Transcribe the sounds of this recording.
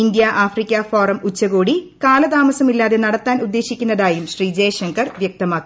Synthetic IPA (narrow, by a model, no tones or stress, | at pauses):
ind̪jɐʔaːfrikʲːɐfoːrɐmut͡ɕːɐɣo̞ːɽikaːlɐt̪aːmɐsɐmilːaːðe̞nɐɽɐt̪ːaːnud̪ːe̞ːɕikʲːunːɐðaːjumɕriːd͡ʑeːjɐʂɐŋkʰɐrʋjɐk̚t̪ɐmaːkːu